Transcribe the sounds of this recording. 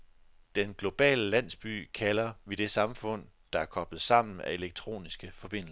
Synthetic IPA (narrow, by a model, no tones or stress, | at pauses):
d̥enɡ̥lo̝b̥ɛ̰ːləlæn̰sb̥y̰ːkʰælɐʋed̥e̝sɑ̈mfɔ̽n̰d̥ɑ̈æɐkʰɒ̽b̥lð̩ˠsɑ̈m̰n̩æe̝leɡ̥̚t͡sʰʁo̝̰ːnisɡ̥əfɒ̽b̥e̝n̰l